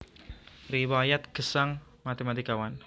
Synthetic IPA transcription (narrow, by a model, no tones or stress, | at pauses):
riwajat̪̚kəsaŋmat̪emat̪ikawan